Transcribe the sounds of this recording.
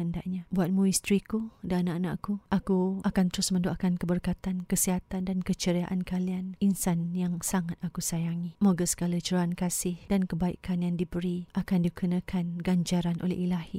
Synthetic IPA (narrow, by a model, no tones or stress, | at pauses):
ənda̰ʔɲabuat̪̚mũist̪ɾikudaanaʔana̰ʔkuʔakuʔakant̪əɾʊsmə̃ndoʔakankəbərkat̪ankəsiɦat̪andankət͡ʃəɾiaʔankalianinsanjaŋsaŋat̪̚akusajaŋimoɡəsə̥ɡalat͡ʃəɾoankasɪhdankəbaḭkʰanjaŋdibəɾiʔakandikunãkʰanɡaɲd͡ʒaɾanʔo̰lɛ̰hilahḭ